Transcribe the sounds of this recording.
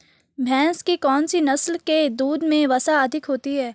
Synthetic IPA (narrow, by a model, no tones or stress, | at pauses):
bʱɛ̃ːskikɔːnsinɐslked̪uːd̪mẽʋɐsaɐd̪ʱɪkɦoːt̪iɦɛː